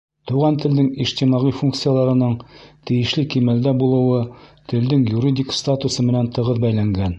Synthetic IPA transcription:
t̪uʁɑnt̪ɘ̆ld̪ɘŋiʃt̪imɑʁifuŋk̚t̪sɨjalˠɑɾɤ̆nɤɴt̪ɘ̆jɘ̆ʃlɘkimæld̪æbulˠɤ̆wɤt̪ɘ̆ld̪ɘŋjuɾʲid̪ʲikst̪at̪usɤmɘ̆nænt̪ɤ̆ʁɤðbæjlæŋɡæn

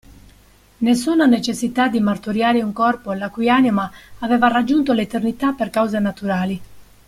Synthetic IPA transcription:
nesːuːnanet͡ʃesːit̪ad̪ːimart̪uɾjaːɾeuŋkɔrpolakujanimaːvɛːvarad͡ʒːunt̪olet̪ernit̪apːerkawzenat̪uɾaːli

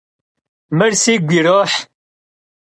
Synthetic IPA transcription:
məɾsiːɡʷiɾoːħ

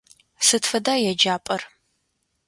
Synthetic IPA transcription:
sɨtfɐdaːjɛd͡ʒaːpʼɐr

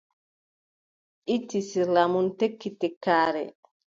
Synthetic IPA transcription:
ʔitːisilamuntekːitɛkːaːɾɛ̰

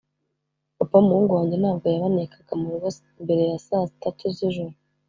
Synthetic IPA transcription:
papamuuːŋɡuwaːɲɟen̥aːb̚ɡo̞jaβanekʰaɡ̥amuɾuβo | mbe̞ɾe̞jasazitatʰuziʒuɾu

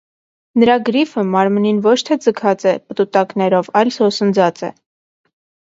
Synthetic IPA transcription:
nəɾɑɡɾifəmɑɾməninvɔt͡ʃʰt̪ʰɛd͡zəkʰɑt͡sɛpət̪ut̪ɑknɛɾɔvɑjlsɔsənd͡zɑt͡sɛ̰

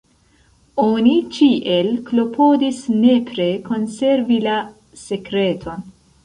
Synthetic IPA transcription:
onit͡ʃiʔe̞lklo̞pʰo̞disne̞pɾe̞ko̞nse̞ɾvila | se̞kɾe̞tʰo̞n

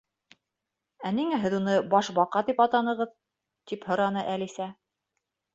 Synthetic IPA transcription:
æniŋæɦɘðunɤbɑʃbɑqɑd̪ipɑt̪ɑnɤ̆ʁɤð | t̪iphɤ̆ɾɑn̪ɤʔælisæ

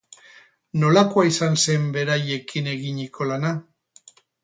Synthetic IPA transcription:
no̞lakoaisanse̞mbe̞ɾaje̞kʰine̞ɣiɲikʰo̞lana

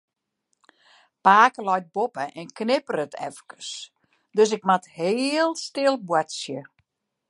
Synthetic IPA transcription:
paːkəlɔjt̚bopəʔɛnknɪpərətʰɛ̰fkə̥s | døs̬ɪk̚matheəlˠstɪəlˠbwatsjə

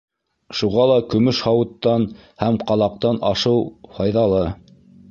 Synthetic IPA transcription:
ʃuʁɑlˠɑkɵ̆mɵʃhɑwɤ̆t̪ːɑnhæmqɑlˠɑq̚t̪ɑnɑʃɤwhɑjðɑlˠɤ

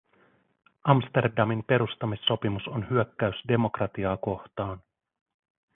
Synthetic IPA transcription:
ɑmst̪e̞rdɑmimpe̞ɾust̪ɑmisːo̞pimuso̞nhyøkːæysde̞mo̞krɑt̪iɑːko̞ht̪ɑːn

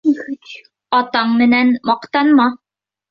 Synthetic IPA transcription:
ɑt̪ɑɴmɘ̆nænmɑqt̪ɑnmɑ

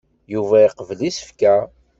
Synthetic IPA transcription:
juvæiqəvlisə̥fkæ

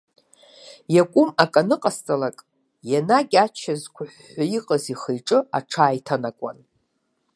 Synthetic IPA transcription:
jakʷʼʊmakʼanɨqʼast͡sʼalakʼ | janaɡʲʼat͡ʃʰazkʷʰʊħʷːaiqʼaziχejʈ͡ʂʼɨaʈ͡ʂʰaːjtʰanakʷʼa̰n

